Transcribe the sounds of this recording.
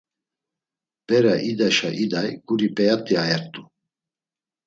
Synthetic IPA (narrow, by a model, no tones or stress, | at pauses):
b̥ɛɾaʔid̪aʃaʔid̪ajɡ̥uɾipʼɛjat̪ʼiajɛɾt̪ʼu